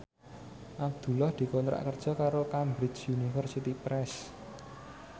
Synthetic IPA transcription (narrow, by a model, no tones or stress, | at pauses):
ʔab̚d̪̥ṳlɔhd̪̥i̤kɔnt̪ɾa̰ʔkərd̥ʒ̥ɔ̤kaɾokambɾɪd͡ʒjunifərsit̪ipɾɛs